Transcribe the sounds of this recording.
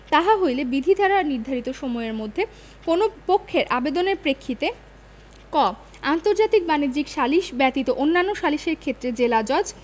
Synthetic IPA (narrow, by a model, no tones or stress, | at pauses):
t̪aɦaɦojlebid̪ʱid̪ʱaɾaniɾd̪ʱaɾit̪oʃomɔeɾmod̪ʱːe | konopokʰːeɾʔabed̪oneɾpɾekʰːit̪e | kɔ | ant̪oɾd͡ʑat̪ik̚banid͡ʑikʃaliʃbɛt̪it̪oʔonːanːoʃaliʃeɾkʰet̪ːɾed͡ʑelad͡ʑɔd͡ʑ